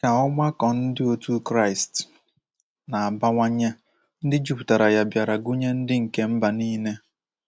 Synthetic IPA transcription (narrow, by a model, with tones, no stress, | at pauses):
ka˨ɔ˦ɡ͡ba˦kɔ˨n̩˦dɪ˦o˨tu˦kɾa˦˨ɪ˨st | na˨a˨ba˦ŋʷa˦ɲe˦ | n̩˦dɪ˦d͡ʒu˦pu̥˨ta˨ɾa˨ja˨bja˨ɾa˨ɡu˦ɲe˦n̩˦dɪ˦ŋ̩˨ke˦m̩˦ba˨niː˦ne˦